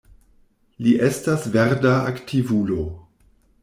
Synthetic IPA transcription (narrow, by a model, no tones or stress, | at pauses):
liʔe̞stasve̞ɾdaaktʰivulo̞